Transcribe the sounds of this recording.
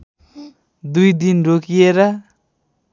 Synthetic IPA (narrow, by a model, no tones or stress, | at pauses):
d̪ujd̪inrokijeɾʌ